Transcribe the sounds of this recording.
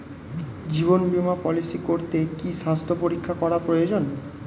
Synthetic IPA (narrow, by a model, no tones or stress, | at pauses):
d͡ʑiβonbimapɔlisikoɾt̪ekiʃast̪ʰopoɾikʰːakɔɾapɾojod͡ʑon